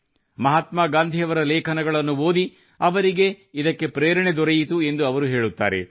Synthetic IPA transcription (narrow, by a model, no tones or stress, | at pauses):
mɐɦaːt̪maːɡaːnd̪ʱijɐʋɐɾɐlɛːkʰɐnɐɡɐɭɐnːuoːd̪i | ɐʋɐɾiɡe̞id̪ɐkːe̞pɾeːɾɐɳed̪ɔɾɐjit̪ue̞nd̪uɐʋɐɾuɦe̞ːɭut̪ːa̰ːɾḛ